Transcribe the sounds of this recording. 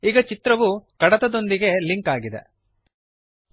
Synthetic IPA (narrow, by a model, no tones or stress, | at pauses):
iːɡɐt͡ʃit̪ɾɐʋukɐɽɐt̪ɐd̪o̞nd̪iɡe̞liŋkaːɡid̪ḛ